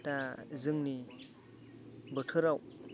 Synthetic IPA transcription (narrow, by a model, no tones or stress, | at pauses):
tazɯŋni | bətʰɯɾaw